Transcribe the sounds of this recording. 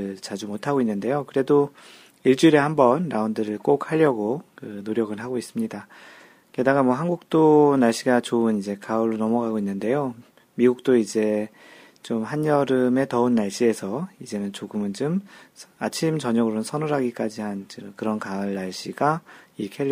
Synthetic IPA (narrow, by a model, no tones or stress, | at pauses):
ɯɭt͡ɕad͡ʑumotʰaɡoinːɯnde̞jokɯɾe̞do | iɭt͡ɕ͈uɾe̞hambʌnːaundɯɾɯɭk͈ok̚haʎːʌɡokɯnoɾjʌɡɯɭɦaɡois͈ɯmɲida | ke̞daɡamwʌɦanɡuk̚t͈onaɭɕ͈iɡat͡ɕoɯnid͡ʑe̞kauɭːonʌmʌɡaɡoinːɯnde̞jo | miɡuk̚t͈oid͡ʑe̞ | t͡ɕomɦaɲʌɾɯme̞tʌɯnːaɭɕ͈ie̞sʰʌid͡ʑe̞nɯnt͡ɕoɡɯmɯnt͡ɕomat͡ɕʰimt͡ɕʌɲʌɡɯɾonɯnsʰʌnuɾɦaɡik͈ad͡ʑihant͡ɕɯkɯɾʌnkaɯɭːaɭɕ͈iɡaikʰe